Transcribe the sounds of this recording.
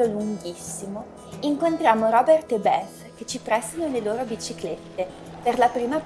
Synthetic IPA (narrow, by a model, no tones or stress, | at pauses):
oluŋɡisːimo | iŋkont̪ɾjaːmoɾɔbɛrt̪ebɛs | ket͡ʃipɾɛst̪anoleloːɾobit͡ʃiklet̪ːe | perlapɾiːma